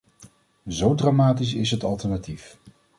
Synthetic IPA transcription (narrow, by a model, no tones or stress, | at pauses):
zowdraːmaːtis̬ɪsɦətɑlˠtɛɹnatif